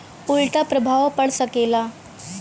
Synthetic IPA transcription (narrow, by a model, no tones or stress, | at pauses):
puɭʈapɾəbʱaʋpəɽsəkela